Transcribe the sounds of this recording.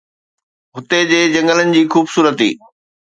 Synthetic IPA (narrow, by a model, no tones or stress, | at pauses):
ɦʊt̪ed͡ʑeːd͡ʑɐ̃ŋɡələnɪ̆d͡ʑiːxuːbsuːɾət̪ḭː